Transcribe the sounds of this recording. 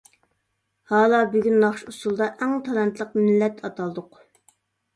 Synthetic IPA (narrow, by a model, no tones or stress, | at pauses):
hɑːlˠɑbyɡʲynːɑχʃusulˠd̪ɑʔɛŋt̪ʰɑlˠɛnt̪ʰlˠəqmɪlːɛt̪ʰɑt̪ʰɑlˠd̪ʊq